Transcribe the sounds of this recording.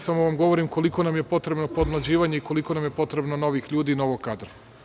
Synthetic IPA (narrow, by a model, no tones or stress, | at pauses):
samo̞ʋamɡo̞ʋo̞ɾimko̞liko̞namjepo̞t̪ɾe̞bno̞po̞d̪mlˠad͡ʑiːʋaɲe̞iko̞liko̞namjepo̞t̪ɾe̞bno̞no̞ʋixʎuːd̪ino̞ʋokad̪ɾo